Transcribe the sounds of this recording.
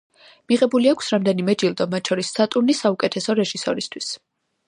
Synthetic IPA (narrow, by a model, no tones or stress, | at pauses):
miʁɛbuliakʷʰsɾamd̪ɛnimɛd͡ʒilˠd̪ɔmat̪̚ʰt͡ʃʰɔɾisːat̪ʼuɾnisaukʼɛt̪ʰɛsɔɾɛʒisɔɾist̪ʰwis